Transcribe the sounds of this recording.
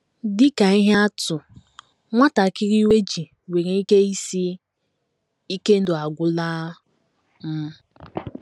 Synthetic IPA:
dɪ˦ka˨i˦ɦa˦tʊ˨ | ŋʷa˦ta˨kɪ˦ɾi˦we˦d͡ʒi˨ | we˨ɾe˨i˦ke˦i˦si˦ | i˦ke˦n̩˦dʊ˨a˨ɡʷʊ˦laː˦ | m̩˦

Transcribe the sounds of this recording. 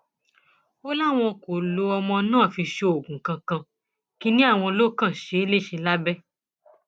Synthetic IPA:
o˦la˦˨w̃ɔ̃˧ko˨lo˧ɔ˧mɔ̃˧nãː˦˨fi˧ʃo˧o˨ɡũ˨kã˧kã˧ | ki˦nĩ˦a˦˨w̃ɔ̃˧lo˦kã˦˨ʃe˨˦e˦le˦˨ʃe˧la˦bɛ˦

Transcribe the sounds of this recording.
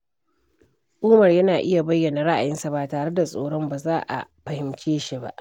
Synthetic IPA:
ʔuː˦mɐ˨rjɐ˦naː˨ʔɪ˦ja˨bɐ˦jːɐ˨na˨ɽa˦ʔa̰˨jɪ˦nsa˨ba˨taː˨ɽe˦da˨sʼoː˦ɽɔ˦mbaː˨zaː˦ʔa̰˨ɸɐ˨hɪ˨mkʲeː˦ʃi˦ba̰˦ʔ

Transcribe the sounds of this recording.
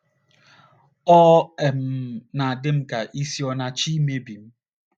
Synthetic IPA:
ɔ˦e˨m̩˦na˨a˨dɪ˦m̩˦ka˨ʔi˦si˦ɔ˦na˦t͡ʃi˦me˦bi˨m̩˦

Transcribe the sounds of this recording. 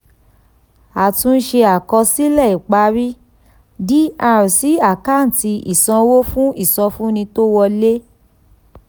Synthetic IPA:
a˨tũ˧n̩˦ʃe˧a˨kɔ˧si˦lɛ˦˨i˨k͡pa˨˦ɾi˦ | di˦a˧ɾi˨si˨˦a˦˨ka˦˨n̩˨ti˧ḭ˨sɔ̃˧wo˦fũ˦i˦˨sɔ̃˧fũ˦nĩ˧to˦wɔ˧le˦

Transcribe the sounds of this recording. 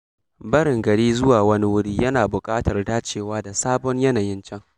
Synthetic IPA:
bɐ˦ɽɪ˨ŋɡɐ˨ɽiː˦zʊ˦waː˨wɐ˦ni˦wʊ˦ɽiː˦jɐ˦naː˨bʊ˨kʼaː˦tɐ˨rdaː˦t͡ʃeː˦˨waː˦da˨saː˦bɔ˦ɲjɐ˦naː˨jɪ˦nt͡ʃɐ˦ŋ

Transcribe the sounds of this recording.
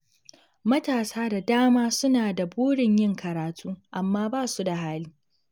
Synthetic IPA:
mɐ˦taː˨saː˦da˨daː˦maː˦sʊ˦naː˨da˨boː˦ɽɪ˨ɲjɪ˦ŋkʰɐ˨ɾaː˨tʰuː˦ʔa˨mːaː˦baː˦˨su˦da˨ɦaː˦liː˦

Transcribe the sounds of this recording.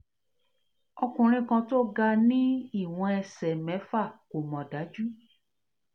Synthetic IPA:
ɔ˧kũ˧ɾ̃ĩ˦kã˧to˦ɡa˧nĩ˦i˦˨w̃ɔ̃˧ɛ˧sɛ˨mɛ̃˨˦fa˦˨ko˨mɔ̃˨da˨˦d͡ʒu˦

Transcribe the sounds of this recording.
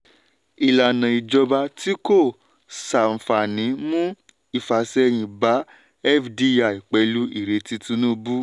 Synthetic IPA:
i˨la˨nã˨i˨d͡ʒɔ˧ba˧ti˦ko˦˨ | sa˨m̩˨fa˨nĩ˨˦mũ˦ | i˨fa˨sɛ˧j̃ĩ˧ba˨˦ | ɛ˦˨fdi˦a˨i˨k͡pɛ˨˧lu˦ḭ˦˨ɾe˨ti˧tũ˦nũ˦bu˦

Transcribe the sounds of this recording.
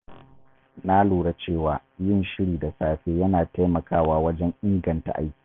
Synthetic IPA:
naː˦luː˨ɽa˦t͡ʃeː˦˨waː˨jɪ˦˨nʃɪ˦ɽiː˨da˨saː˨ɸeː˦jɐ˦naː˨ta˦jmɐ˨kʰaː˦˨waː˦wɐ˦d͡ʒɛ˦ɲʔɪ˦ŋɡɐ˨nta̰˨ʔa̰˦jkʲi̥ː˨˦

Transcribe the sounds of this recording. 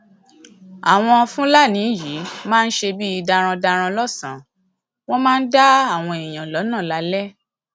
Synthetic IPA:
a˨w̃ɔ̃˧fũ˦la˦˨nĩ˨˦ji˨˦mãː˦˧n̩˦ʃe˧bi˦i˧da˧ɾ̃ã˧da˧ɾ̃ã˧lɔ˦˨sã˨˦ | w̃ɔ̃˦mãː˦˧n̩˦da˦a˦˨w̃ɔ̃˧i˨j̃ã˨lɔ˨˦nã˦˨la˨˦lɛ˦

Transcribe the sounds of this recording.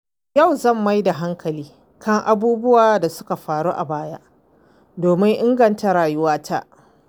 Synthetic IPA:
ja˦˨wzɐ˦˨mːa˦jda˨ɦa˦ŋkʰɐ˨liː˦ | kɐ˦ŋʔa˨buː˦bʊ˦waː˨da˨sʊ̥˦ka˨ɸaː˨ɽuː˦ʔa˨baː˦ja̰˦ʔ | doː˨mɪ˦ŋʔɪ˦ŋɡɐ˨nta˨ɾaː˨jʊ˦waː˦tʰa˦ʔ

